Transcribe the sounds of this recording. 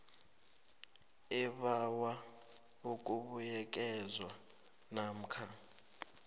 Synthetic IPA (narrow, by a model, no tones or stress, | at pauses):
ɛɓawa | uk̬ʼuɓujɛk̬ʼɛzwa | nam̩kʰa